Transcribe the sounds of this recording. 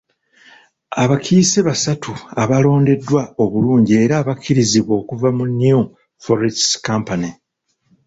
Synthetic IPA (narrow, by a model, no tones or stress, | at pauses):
aβakʰiseβasatʰuaβalo̞ːnde̞dːwao̞βuluːɲɟie̞ːɾaːβakʰːiɾiziβwo̞ːkuvamunju | foɾitskampani